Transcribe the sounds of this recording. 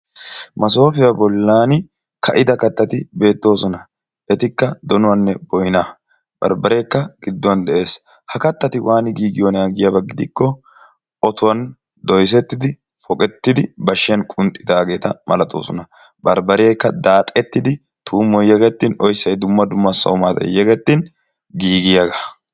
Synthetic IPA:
mɐso̞ːfɪjɐbɔlːaːn | kʰɐʔɪd̪ɐkɐt̪ːɐt̪ɪbe̞ːt̪ːo̞ːsɔnɐ | ʔɛt̪ɪkːɐd̪ɔnʊwɐnːɛbɔjna | b̥ɐ̰ɾbɐɾeːkːɐɡ̥ɪd̪ːɔwɐnd̪ɛʔe̞ːs | hɐkɐt̪ːɐt̪ɪwʔaːnɪɡiːɡɪjoːnɛaːɡɪjɐbɐɡɪd̪ɪkːɔ | ʔɔt̪ʊwɐn | d̪ɔjs̬ɛt̪ːɪd̪ɪ | fɔkʼɛt̪ːɪd̪ɪbɐʃːɪjɐnkʼʊnt̪ʼːɪd̪aːɡe̞ːt̪ɐmɐ̰lɐt̪o̰ːsɔnɐ | bɐɾbɐɾeːkːɐd̪aːt̪ʼɛt̪ːɪd̪ɪ | t̪ʰuːmɔjjɛɡɛt̪ːɪnɔjsːɐjd̪ʊmːɐd̪ʊmːɐsɐ̰wʊmaːt̪ɐ̰jɛɡɛt̪ːɪn | ɡiːɡɪjaɡɐ

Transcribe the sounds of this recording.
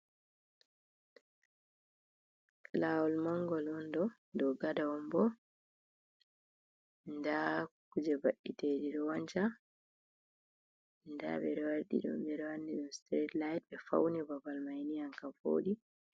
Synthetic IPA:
laːwɔlmaŋɡɔlɔndɔ | dɔɡadaɔmbɔ | ndakud͡ʒɛbaɗːiteɗiɗɔwaɲt͡ʃa | nda̰bɛ̰ɾɛwaɾɗḭɗɔ̰mbɛɾɛwanːiɗɔstɾɛtlajt̚bɛfa̰wnibabalmajnijaŋkafo̰ːɗi

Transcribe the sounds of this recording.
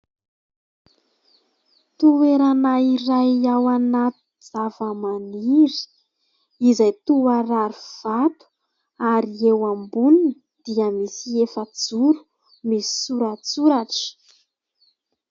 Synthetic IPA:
t̪ueɾanaiɾajawanat̪u̥d͡zavəmaniɾi̥ | izajt̪uaɾaɾuv̥at̪u̥ | aɾiewambuninə | d̪̥iəmisiefəd͡zuɾu̥ | misi̥suɾat͡suɾaʈ͡ʂə̥

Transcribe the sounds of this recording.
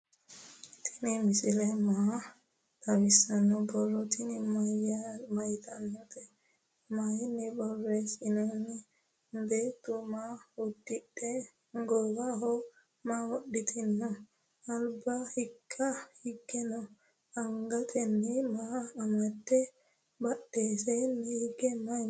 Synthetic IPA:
t̪ʰɪ̥nɪmɪsɪlɛmɐ | t̪ɐbɪsɐnːɔbɔlːɔt̪ɪnɪmɐjamɐjt̪ʰɐnːɔt̪ɛ | majɪnːɛbɔrːesɪnɔnɛ | nd̪et̪ʼːʊmaːwʊd̪ːɪɗɛ | ŋɡɔɡaɦɔ | maːwɔɗːɪt̪ʰɪnːɔ | ɐlbɐhɪkʰːɐhɪɡːɛnɔ | ɐŋɡɐt̪ʼɛnːɛmaːmɐt̪ːɛ | bɐɗːeːsenːɛhɪɡːɛmɐ

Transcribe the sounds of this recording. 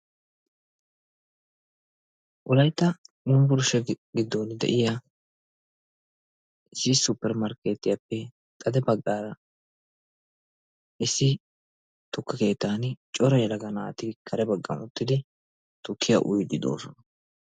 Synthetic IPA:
ʔʊlɐjt̪ːɐnʊmbʊɾʊʃɛɡɪd̪ːoːnɪd̪ɛ̰ʔɪja | ɪsɪsʊpːɛɾmɐɾkeːt̪ːɪjɐpːɛ | t̪ʼɐd̪ɛbɐɡːaːɾɐ | ʔɪsːɪ | t̪ʊkːɐke̞ːt̪ːaːnt͡ʃʼɔɾɐjɛlɐɡɐnaːt̪ɪkʰɐɾɛbɐɡːɐ̰mʊt̪ːɪd̪ɪ | t̪ʊkʰːɪjɐʔʊjd̪ɪd̪o̞̰ːsɔnɐ

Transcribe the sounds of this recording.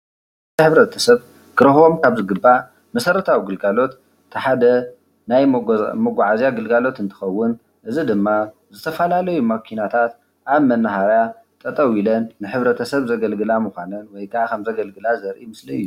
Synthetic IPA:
ɨħɨβɾɐt̪ʰɐsɐβ | kʰɨɾɐho̞mkʰaβzɨɡɨba | mɐsɐɾɐt̪ʰawiɡɨlɡalo̞t̪ː | ɨħad̪ɐ | najmɐɡʷaʕazjaɡɨlɡalo̞t̪ɨnt̪ʰɨ̥xɐwːʊn | ʔɨzid̪ɨmːa | zɨt̪ʰɐfɐlalɐjumɐkʰinat̪ʰat̪ | ʔaβmɐnːaɦaɾja | t̪ʼɐt̪ʼɐwilɐnːɨħɨβɾɐt̪ʰɐsɐβzɐɡɐlɡɨlamuxʷanɐnwɔjkʰaʕakʰɐmzɐɡɐlɡɨlazɐɾʔimɨsliɨjːu

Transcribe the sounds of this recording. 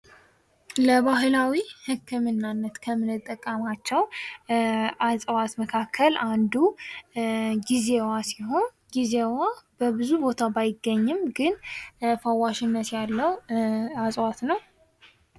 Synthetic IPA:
ləβaɦɨlawihɨkʰːɨmɨnːanːət̪kʰəmɨnɨt̪ʼːəkʼːəmat͡ʃːɛw | ʔasʼwat̪məkʰakʰːəland̪u | ɡizewasiho̞n | ɡizewab̥əbɨzubo̞t̪ʰabajɪɡːəɲːɪmɡɨnfawːaʃɪnːət̪jalːəwasʼwat̪nəw

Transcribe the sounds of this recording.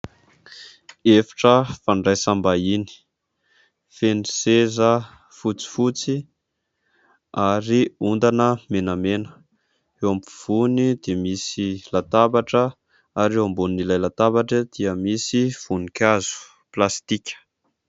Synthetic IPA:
efḁʈ͡ʂəfaɳɖ͡ʐajsambaini̥ | fenisezə | fut͡si̥fut͡si | aɾiund̪anəmenamenə̥ | ewampuv̥unid̪emisilat̪abaʈ͡ʂə | aɾewambunnilajlat̪abaʈ͡ʂəd̪̥iəmisiv̥unikʲazu̥ | plast̪ikʲə̥

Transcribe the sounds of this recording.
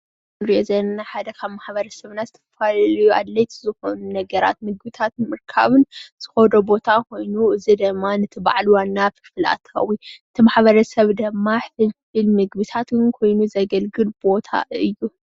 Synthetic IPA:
ɡɨβɾijezɐnnaħad̪ɐkʰaβmaħbɐɾɐsɐβnazɨt̪ʰɐɐfallɐjuʔa̰d̪lɐjt̪ʰi̥zɨxo̞nunɐɡɐɾa̰t̪̚mɨɡbɨt̪ʰat̪nmɨɾkʰa̰βɨnz̥ɨ̥xod̪obo̞t̪ʰakʰo̞jnuɨzid̪ɐmːanɨt̪ʰɨba̰ʕlwanːafɨ̥fɨla̰t̪ʰːɐ̥xɐ̰wiɨt̪ʰimaħbɐɾɐsɐβd̪ɐmːaħfɨlfɨlmɨɡbɨt̪ʰat̪ɨnkʰo̞jnuzɐɡɐlɡɨlbo̞t̪ʰa̰ɨjːu

